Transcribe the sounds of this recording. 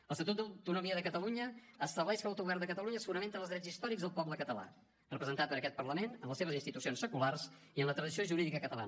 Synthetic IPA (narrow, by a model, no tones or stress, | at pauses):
ələst̪ət̪ut̪̚d̪əwt̪unumiəðəkət̪əluɲəːst̪əβlɛʃkəlˠawt̪uɣuβɛrnd̪əkət̪əluɲəsəɣunəment̪əlzðɾɛd͡zzist̪ɔɾiɡzðəlˠpɔbləkət̪əla̰ | rəpəzənt̪at̪̚pəɾəkɛt̪̚pərləmenənləseβəzinst̪it̪usionsːəkularsiənlət̪ɾəðisioʒuɾiðikəkət̪əla̰ə